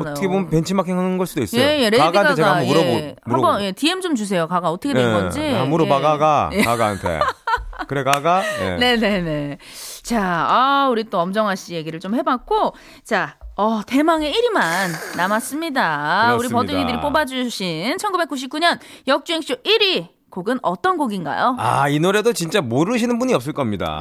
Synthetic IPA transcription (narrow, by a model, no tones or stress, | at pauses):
ʌtʰʌkʰeompent͡ɕʰimakʰeŋanɯnɡʌɭs͈udois͈ejeɾeɡaanet͡ɕeɡambmuɾʌboambʌje̞tiemt͡ɕomt͡ɕus̬ʰe̞jokaɡaʌtʰʌkʰeeɡʌd͡ʑiamuɾobaɡaɡajekaɡaa̰ntʰḛkɯɾekaɡajḛne̞ne̞ne̞t͡ɕaauɾit͈oʌmd͡ʑʌŋɦaɕ͈ije̞ɡiɾɯɭt͡ɕ͈omhe̞bak̚k͈o | t͡ɕaʌte̞maŋe̞iɾimanːamas͈ɯmɲidauɾipʌduŋindɯɾip͈obad͡ʑuɕʰinnt͡ɕʰʌnɡube̞k͈uɕ̬ʰip̚k͈uɲʌnjʌk̚t͡ɕ͈uek̚ɕ͈ubiɾi | koɡɯnʌt͈ʌnɡoɡinɡa̰joa̰inoɾe̞dot͡ɕint͡ɕ͈amoɾɯɕ̬ʰinɯnbuɲiʌp̚s͈ɯɭk͈ʌmɲida̰